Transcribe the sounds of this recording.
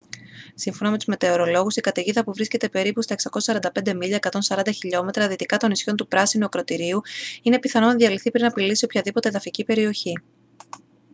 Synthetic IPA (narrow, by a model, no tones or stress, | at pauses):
siɱfo̞nɐmet̪uzme̞t̪e̞o̞ɾo̞lo̞ɣusikɐt̪eʝiðɐpuvɾisce̞t̪e̞pe̞ɾipust̪ɐe̞ksɐko̞sɐ̥sɐɾɐnd̪ɐpe̞nd̪e̞miʎɐekɐt̪o̞nsɐɾɐnd̪ɐçiʎo̞me̞t̪ɾɐðit̪ikɐt̪o̞nisço̞nt̪upɾɐsinuɐkɾo̞t̪iɾiuine̞piθɐno̞nɐðʝɐliθipɾinɐpilisiopçɐðipo̞t̪e̞ðɐficipe̞ɾio̞çi